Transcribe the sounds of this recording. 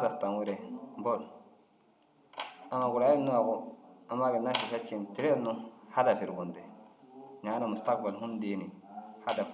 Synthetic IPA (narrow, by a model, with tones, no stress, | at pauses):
a˦da˨fta˨ŋwu˦ɾe˨bo˦˨l | a˨ma˨ɡu˨ɾa˨˦i˦nːu˦a˨ɡu˦a˨ma˦ɡi˨nːa˦ʃi˨fe˦t͡ʃːi˨nti˨ɾe˦nːu˦ha˦da˨fi˨ɾɡu˨nde˨ | ɲa˨˦na˨mu˨sta˦k̚ba˨lɦu˦ndi˨ni˨ha˦da˨